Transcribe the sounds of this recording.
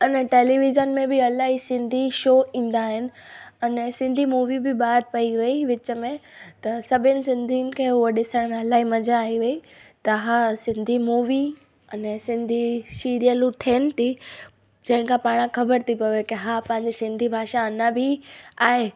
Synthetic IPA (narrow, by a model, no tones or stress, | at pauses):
ɐnɛʈeːliʋɪzənmẽbɪɐlaːɦisɪ̃nd̪ʱiʃoːʔĩːn̆d̪aːɦɪnɪ̆ɐnɛsɪ̃nd̪ʱimuːʋibɪɓaːɾpɐiʋɐiʋɪt͡ɕəmẽt̪ɐsɐbʱɪnɪ̆sɪ̃nd̪ʱiənɪ̆kʰeɦʊoɗɪsəɽ̃mẽɐlaːɦimɐd͡ʑʱaːɦiʋɐi | t̪ɐɦasɪ̃nd̪ʱimuːʋi | ɐnɛsɪ̃nd̪ʱiʃiːɾijəlut̪ʰeːnɪ̆t̪ʰi | d͡ʑɐ̃ɦɪ̃nɪ̆kʰãpaːɽ̃ãkɐbəɾt̪ʰipɐʋekɪɦaːpɐ̃ɦɪ̃ɲd͡ʑesɪ̃nd̪ʱibʱaːʃaɐnabʱiaːɦe